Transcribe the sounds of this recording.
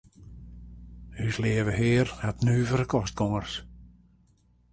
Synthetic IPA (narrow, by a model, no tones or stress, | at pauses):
hyslɪːəvəɦɪːratnyːvəɾəkʰɔst̚kɔŋərs